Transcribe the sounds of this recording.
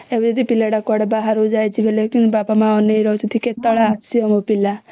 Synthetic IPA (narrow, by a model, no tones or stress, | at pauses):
ebd͡ʒɔd̪ipilaɽakɔɽebaɦaɾod͡ʒajt͡ʃʰibʱelekinbabamãɔnejɾɔt͡ʃʰit̪ʰiket̪ɔɭaːsiɔmopila